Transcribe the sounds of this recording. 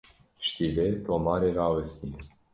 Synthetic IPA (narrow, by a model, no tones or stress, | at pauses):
ʃt̪ilet̪omaɾeɾavest̪ine